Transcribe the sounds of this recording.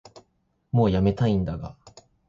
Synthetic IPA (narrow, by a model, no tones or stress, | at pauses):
mo̞ːjame̞t̪aĩnd̪aɡa̰